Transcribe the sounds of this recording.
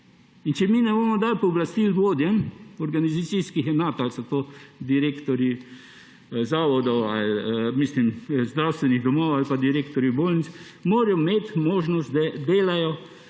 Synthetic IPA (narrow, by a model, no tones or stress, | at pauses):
int͡ʃɛminɛboːmɔd̪aːlpɔːblast̪ilʋoːd̪jɛnɔɾɡanizat̪siskixɛnaːt̪alsɔt̪od̪iɾeːkt̪ɔɾi | zaːʋɔd̪ɔwa̰lmislimzd̪ɾawst̪ʋɛniɣd̪ɔmɔwalpad̪iɾeːkt̪ɔɾjiboːlnis | moːɾjɔmet̪moːʒnɔst̪d̪ɛd̪eːlajɔ